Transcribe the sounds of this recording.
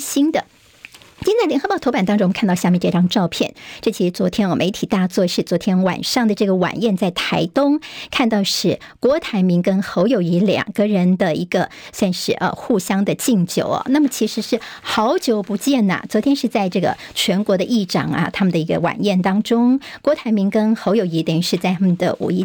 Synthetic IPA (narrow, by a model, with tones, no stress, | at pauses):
ɕi˥nd̪ə˨ | t͡ɕi˥t͡sa˥˩lʲjɛ˧˥ŋxɤ˧˥pɑ˥˩t̪ʰo˥ʊpa˨˩nt̪ɑ˥ŋʈ͡ʂʊ˥ŋ˨˥kʰt̪ɑ˥˧ʊɕja˥˧mjɛ˥˧ʈ͡ʂɤ˥˧˩ʈ͡ʂɑ˥ŋʈ͡ʂɑ˥˧ʊpʰjɛ˥˩nʈ͡ʂɤ˥˩t͡ɕʰi˧˥ʂɻ̩˥˧t͡swɔ˧˥t̪ʰjɛ˥nwɔ˨˩mʔe˧˥ɪt̪ʰi˨˩t̪a˥˧t͡swɔ˥˧ʂɻ̩˥˩t͡swɔ˧˥t̪ʰjɛ˥nwa̰˨˩nʂɑ˥˩ŋd̪ə˨ʈ͡ʂɤ˥˩ɡə˩wa̰˨˩njɛ˥˧nt͡sa˥˩ɪt̪ʰa˧˥ɪt̪ʊ˥ŋkʰa˥˧nt̪ɑ˥˧ʊʂɻ̩˥˩ | kwɔ˧˥t̪ʰa˧˥ɪmi˧˥ŋkə˥nxo˧˥ʊjo˨˩ʊy˧˥ljɑ̰˨˩ŋɡ̥ə˧ɻə˧˥nd̪ə˧i˧˥ɡ̥ə˧swa˥˧nʂɻ̩˥˩ʔə̰˧xu˥˩ɕjɑ˥ŋd̪ə˨t͡ɕi˥˩ŋt͡ɕjo˨˧˥ʊɐ̰˩na˥˩mə˩t͡ɕʰi˧˥ʂɻ̩˧˥ʂɻ̩˥˩xɑ˧˥ʊt͡ɕjo˧˥ʊpu˧˥t͡ɕjɛ˥˩nə̰˨˩t͡swɔ˧˥t̪ʰjɛ˥nʂɻ̩˥˧t͡sa˥˧ɪʈ͡ʂɤ˥˩ɡə̰˩ | t͡ɕʰɥɛ˧˥nkwɔ˧˥d̪ə˧ʔi˥˩ʈ͡ʂɑ̰˨˩ŋɐ̰˧˩t̪ʰa˥mə˨nd̪ə˩i˧˥ɡə̰˧wa̰˨˩njɛ˥˩nt̪ɑ˥ŋʈ͡ʂʊ˥ŋkwɔ˧˥t̪ʰa˧˥ɪmi˧˥ŋkə˥nxo˧˥ʊjo˨˩ʊi˧˥t̪jɛ˨˩nʂɻ̩˥˧t͡sa˥˩ɪt̪ʰa˥mə˨nd̪ə̰˩ʔṵ˨˩i˥